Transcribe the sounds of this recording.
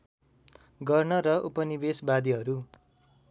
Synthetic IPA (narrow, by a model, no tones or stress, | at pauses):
ɡʌrnʌɾʌʔupʌnibesbad̪iɦʌɾu